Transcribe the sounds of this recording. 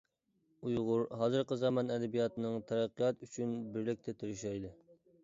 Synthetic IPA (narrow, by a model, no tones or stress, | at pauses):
ujʁʊɾɦɑːzɨɾqəzɑmɑnɛd̪ɛbijɑt̪ɨnɨŋt̪ʰɛɾæqːijɑt̪yt͡ʃʰynbɪɾlɪk̚ʲt̪ʰɛt̪ʰyɾyʃɛjd̪ɨ